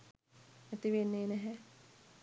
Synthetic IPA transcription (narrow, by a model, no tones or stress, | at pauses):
æt̪iʋenːeːnɛɦɛ